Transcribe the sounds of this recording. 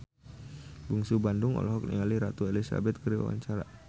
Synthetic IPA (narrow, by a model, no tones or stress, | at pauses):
buŋsubandʊŋɔ̰lɔɦɔk̚nḭaliɾat̪uelisa̰bɛt̪̚kəɾiwa̰wa̰ɲt͡ʃaɾa̰